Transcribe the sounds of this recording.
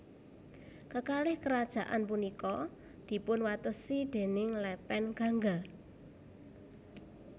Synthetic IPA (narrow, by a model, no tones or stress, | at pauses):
kəkalɪhkəɾad̥ʒ̥a̤ʔa̰npunikɔ | d̪̥i̤pʊnwat̪əsid̪̥e̤nɪŋlɛpɛnɡ̥a̤ŋɡa